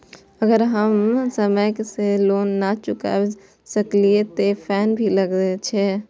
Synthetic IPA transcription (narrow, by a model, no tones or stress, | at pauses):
əɡəɾɦəmsəməjkseloːnːat͡ʃʊka̰ | səkliet̪epʰɛːnbʱiləɡɾet͡ʃʰeː